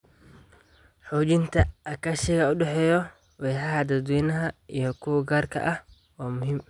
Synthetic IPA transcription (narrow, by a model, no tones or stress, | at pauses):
ħuːd͡ʒɪnt̪ʰɐɐkɐʃɛɡɐʊɗɛħɛjɔ | wɛːħahad̪ɐd̪winɐɦɐijɔkʰʊwɡaːɾkʰɐ̰ʔɐ | waːmʊhɪm